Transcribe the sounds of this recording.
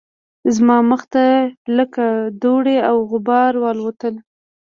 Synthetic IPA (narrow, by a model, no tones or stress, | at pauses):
zmɑməxt̪aləkad̪oɽeawɣʊbɑɾwɑlwot̪əl